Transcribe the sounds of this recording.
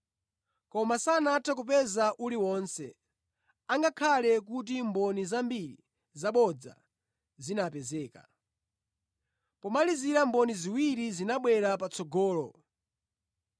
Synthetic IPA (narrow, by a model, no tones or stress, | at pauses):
kɔmasanatʰak̬upɛzaʔuliwɔnsɛ | aŋɡakʰalɛk̬ut̬imbɔnizambiɾḭ | zaɓɔd͡za̰ | zinapɛzɛːka̰ | pɔmaliziɾambɔniziwiɾizinaɓwɛɾapat͡sɔɡɔːlɔ